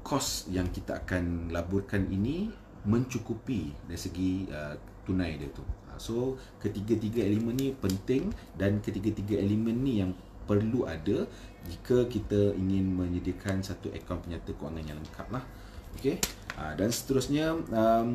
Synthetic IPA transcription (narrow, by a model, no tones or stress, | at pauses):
kʰɔsjaŋkit̪aʔa̰kanlabʊrkaninĩ | mə̃ɲt͡ʃukupidaɾisəɡiə | t̪unãjdə̰t̪uə̰so | kət̪iɡat̪̬iɡaelemə̃nːĩpənt̪ɪŋdankət̪iɡat̪iɡaelemə̃nːĩjaŋ | pərluʔadə | d͡ʒikakit̪aiŋɪ̃nmə̃ɲədiəkʰansat̪uʔḛkawnpəɲat̪akoa̰ŋãnɲãləŋka̰p̚lah | okeʔədansə̥t̪əɾusɲãəm